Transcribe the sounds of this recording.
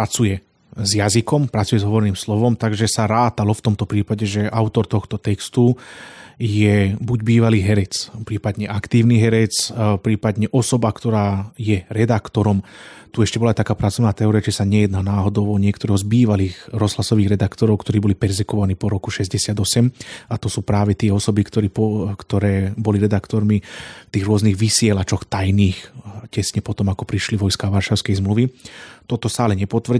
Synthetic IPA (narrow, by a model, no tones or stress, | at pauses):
pɾat͡sujɛ | zjazikɔmpɾat͡sujɛzɦɔʋɔɾɛniːmslɔʋɔmt̪aɡʒɛsaɾaːt̪alɔft̪ɔmt̪ɔpɾiːpaɟɛʒɛʔaʊt̪ɔɾt̪ɔxt̪ɔt̪ɛkst̪u | jɛbuɟbiːʋaliːɦɛɾɛt͡spɾiːpad̪ɲɛʔakt̪iːʊniɦɛɾɛt͡spɾiːpad̪ɲɛʔɔsɔbakt̪ɔɾaːjɛɾɛd̪akt̪ɔɾɔmt̪uɛʃcɛbɔlat̪akaːpɾat͡sɔʊnaːt̪ɛɔɾiat͡ʃisaɲɛjɛd̪naːnaːɦɔd̪ɔʊɔɲɪɛkt̪ɔɾɔɦɔzbiːʋaliːxɾɔzlasɔʋiːɣɾɛd̪akt̪ɔɾɔʊkt̪ɔɾiːbɔlipɛɾzɛkɔʋaniːpɔɾɔkuʃɛzɟɛsɪad̪ɔsɛmat̪ɔsuːpɾaːʋɛt̪ɪɛɔsɔbikt̪ɔɾiːpɔkt̪ɔɾɛːbɔliɾɛd̪akt̪ɔɾmit̪iːɣɾʊɔzniːɣʋisɪɛlat͡ʃɔxt̪ajniːxcɛsɲɛpɔt̪ɔmakɔpɾiʃliʋɔjskaʋaɾʃaʊskɛjzmluʋit̪ɔt̪ɔsaalɛɲɛpɔt̪ʋr̩